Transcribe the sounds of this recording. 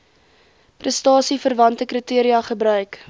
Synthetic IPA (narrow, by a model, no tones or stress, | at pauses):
prəstɑːsifərvɐntəkritiəɾiɐχəbɾœɥk